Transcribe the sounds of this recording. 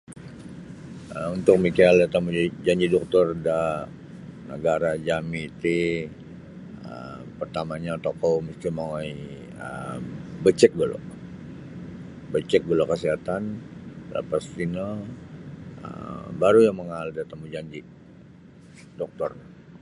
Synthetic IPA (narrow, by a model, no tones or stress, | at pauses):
əunt̪ʊk̚mikaaldat̪amud͡ʒaɲd͡ʒidɔk̚t̪ɔrda | nəɡaɾad͡ʒamit̪i | ə̰ | pərt̪amaɲat̪okɔməsk̪imaai | ə̰ | bət͡ʃɛk̚bəlo̰ | bət͡ʃɛk̚bəlokəsiɦat̪anla̰past̪inə | ə̰baɾujaŋməŋaldat̪amud͡ʒaɲd͡ʒi | dɔk̚t̪ɔr